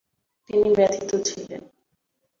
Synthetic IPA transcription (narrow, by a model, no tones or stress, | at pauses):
t̪inibɛt̪ʰit̪ot͡ɕʰilḛn